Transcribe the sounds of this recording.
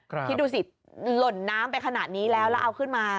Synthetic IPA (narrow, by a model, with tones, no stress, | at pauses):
i˦˥duː˧si˨˩t̪̚ | lo˨˩nːaː˦˥mpa˧jkʰa˧naː˨˩t̪̚niː˦˥lɛː˦˥wlɛː˦˥wʔa˧wkʰɯ˥˩nmaː˧